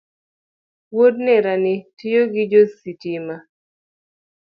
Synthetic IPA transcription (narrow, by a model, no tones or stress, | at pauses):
wodnɛɾanɪtɪjoɡɪd͡ʒositima